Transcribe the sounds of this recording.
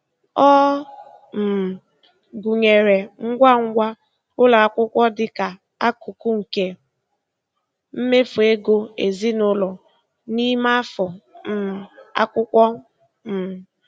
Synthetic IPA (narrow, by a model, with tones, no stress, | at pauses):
ɔ˦ | m̩˨ | ɡu˨ɲe˨ɾe˨ŋ̩˦ɡʷa˦ŋ̩˦ɡʷa˦ | ʊ˦la˨a˨kʷʊ˦kʷɔ˦dɪ˦ka˨ | a˦ku˨ku˦ŋ̩˨ke˦ | m̩˦me˦fʊ˨e˦ɡo˦e˨zi˦nʊ˦lɔ˨ | ni˦ma˦fɔ˨m̩˦˨a̰˦kʷʊ˦kʷɔ˦ | m̩˨